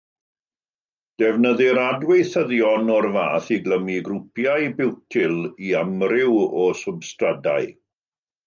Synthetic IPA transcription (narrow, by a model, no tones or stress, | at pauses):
d̥ɛvnəðɪɾadwejθəðjɔnɔrva̰ːθiɡləmiɡrupjajbɪwtʰɪlˠiamrɪwɔsʊbstrada̰j